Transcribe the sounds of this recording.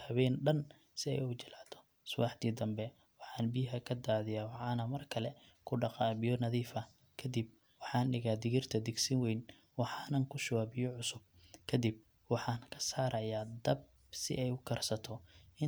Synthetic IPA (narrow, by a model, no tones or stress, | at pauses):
hɐβɛːnɖɐn | sɪɛ̰jut͡ʃɪlaːd̪ʰɔ̥ | sʊwɑ̰ːħd̪iːd̪ɐmbɛ | wɑħɑːnbɪjɦɐkʰɐd̪aːðɪjaːwɑħɑːnɐmɐrkʰɐlɛ | kʰʊɖɑqɑːβɪjɔnɐðiːfɐ | kʰɐd̪ib̚ | wɑħɑːnɖɪɣaːd̪ɪɣɪrt̪ʰɐd̪ɪɡsɪnwɛjn | wɑħɑːnɐŋkʰʊʃɐwaːbɪjɔʕʊsʊb̚kʰɐd̪ib̚ | wɑħɑːnkʰɐ̥saːɾɐjaːd̪ɐb̚ | sɪ̰ɛjʊkʰɐrsɐt̪ʰɔɪ